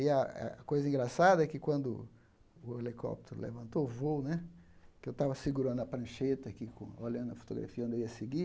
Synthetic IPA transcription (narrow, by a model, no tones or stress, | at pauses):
iɐa̰kojzɐĩŋɡɾasad̪ɐɛkɪkwɐ̃nd̪ʊ | ʊelikɔ̰p̚t̪eɾʊ̰lḛvɐ̃nt̪oʊvownɛ | kɪewt̪avɐsiɡuɾɐ̃nd̪ʊɐpɾɐ̃ʃet̪ɐakikõoʎɐ̃d̪ʊɐfo̥t̪oɡɾa̰fiɐ̃d̪ewiɐseɡi